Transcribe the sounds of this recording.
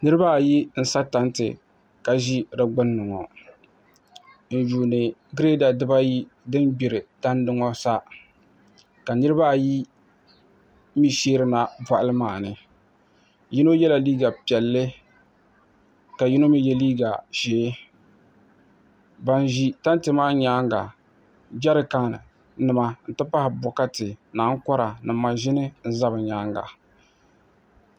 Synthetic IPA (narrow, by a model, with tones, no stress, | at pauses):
nɨ˦ɾɨ˦ba˦˨ji˦n̩˦sa˦ta˨˦ntɨ̰˨ | ka˨ʒi˦ɾɨ˦ɡ͡bʊ˦nːɨ˨ŋɔ̰˨ | n̩˨d͡ʒuː˨nɨ˨ɡɾe˦da˨dɨ˦ba˦ji˦ | dɨ˦nbi˨ɾɪ˨ta˦ndɨ˦ŋɔ˦sa˦ | ka˨nɨ˦ɾɨ˦ba˦˨ji˦ | mi˦ʃeː˦ɾɨ˦na˨ba˨ʔa˦lɨ˦maː˨nɨ˨ | ji˦no˦jɛ˦la˨liː˦ɡa˨pi˨ɛ˨lːɪ˦ | ka˨ji˦no˦mi˦jɛ˦liː˦ɡa˨ʃeː˨˦ | ba˦n˦ʒi˦ta˦ntɨ˨maː˦ɲaː˦ŋɡa̰˨ | d͡ʒa˦ɾɨ˦ka˦˨nɨ˨ | nɨ˨ma˨n̩˨tɨ˦pa˦hɪ˨bɔ˨ka˦tɪ˨naː˨˦ŋ˦kɔ˦ɾa˨nɨ˨mːa˨ʒɪ˦nɨ˦n̩˦za˦bɨ˨ɲaː˨˦ŋɡa̰˨